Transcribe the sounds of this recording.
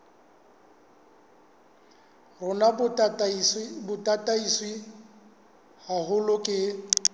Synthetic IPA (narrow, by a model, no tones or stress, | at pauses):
rʊna | bʊtʼatʼaiswi | hahʊlʊkʼɪ